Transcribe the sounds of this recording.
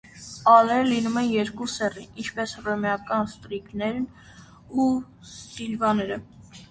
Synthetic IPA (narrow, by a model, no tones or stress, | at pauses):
ɑlɛɾəlinumɛnjɛɾkusɛrinint͡ʃʰpɛsrɔmjɑkɑnst̪ɾiknɛɾn | u | st̪ilvɑnɛɾə